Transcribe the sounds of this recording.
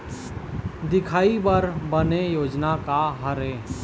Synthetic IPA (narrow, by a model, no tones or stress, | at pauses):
d̪ɪkʰaːibəɾbənejoːd͡ʒnakaɦəɾẽː